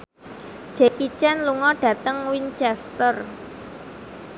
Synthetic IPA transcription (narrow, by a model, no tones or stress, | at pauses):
d̥ʒ̥ɛkit͡ʃɛnluŋɔɖ̥ä̤t̪əŋwint͡ʃɛst̪ər